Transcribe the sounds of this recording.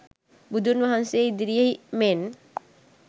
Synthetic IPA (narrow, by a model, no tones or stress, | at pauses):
bud̪ʱunʋaɦanseid̪iɾijəɦimen